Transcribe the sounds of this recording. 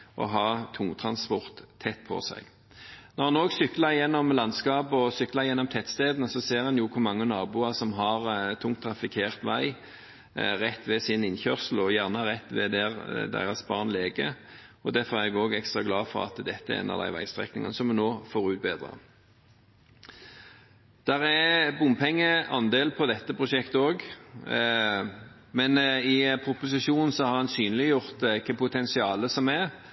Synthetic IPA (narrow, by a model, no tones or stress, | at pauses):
ʔɔ̰ɦɑːt̪ʰʊŋt̪ʰɾɑnspɔʁt̪ʰːɛt̪ːpʰɔ̰sæ̰ɪɡ | nɔʁhɑnoːɡsʏklɑɾjɛnːɔmlɑnskɑːpəɔsʏklɑʁjɛnːɔmt̪ʰɛt̪st̪eːd̪nəsɔseːʁɛnjuːkʰʊʁmɑŋːənɑːbuːɑʁsɔmɦɑʁt̪ʰːʊŋt̪ʰːɾɑfɪkʰeːʁt̪ʋæɪ | ʁɛt̪ːʋɛsɪnɪnçœʁsəl̩ɔjæʁnəʁɛt̪ːʋɛ̰d̪ɛʁd̪æ̰ɪʁɑsbɑːʁnleːɡə | ɔd̪æʁfɔɾɛɛɡoːɡɛkst̪ʁɑɡlɑːfɔʁɑ̰t̪d̪ɛt̪ːəɛ̰ɛ̰ːnɑ̰d̪æ̰ɪʋæ̰ɪst̪ʁɛ̰knɪŋə̰nəsɔmʉnoːfoːʁʉːt̪̚beːd̪ʁɑ̰ | d̪̥æɾæbʊmpʰɛŋːəɑnd̪eːlpʰɔd̪ɛt̪ːəpʰʁʊʂɛkt̪əoːɡ | mɛnɪpʰʁʊpʊs̬ɪʃuːnn̩sɔhɑɾhɑnsyːnlɪjʊʁt̪kʰɑpʰʊt̪ʰɛnsɪɑːləsɔmɛ